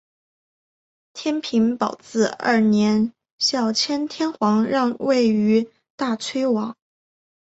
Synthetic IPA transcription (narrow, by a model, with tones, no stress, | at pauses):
t̪ʰjɛ˥npʰi˧˥npɑ˨˩ʊt͡sɹ̩˥˧ə̰˥˩njɛ˧˥n | ɕjɑ˥˩ʊt͡ɕʰjɛ˥nt̪ʰjɛ˥nxwɑ˧˥ŋɻɑ˥˧ŋwe˥˩ɪy˧˥ | t̪a˥˩t͡sʰwe˥ɪwɑ˧˥ŋ